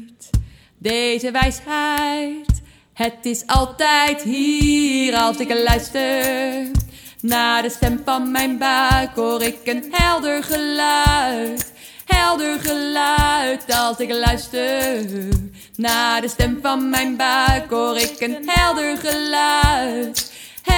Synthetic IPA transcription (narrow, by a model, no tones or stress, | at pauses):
t | dejzəʋɛjsɛjjt | hətɪsɑlˠtɛjtɦiːɾɑlˠsɪklœɥstə | naːdəstɛmvɑnmɛjnbakoːɾɪkənɦɛlˠdəɹχəlœt | hɛlˠdəɹχəlœɥtɑlˠsɪklœɥstə | naːdəstɛmvɑnmɛjnbakoːɾɪkənɦɛlˠdəɹχəlœt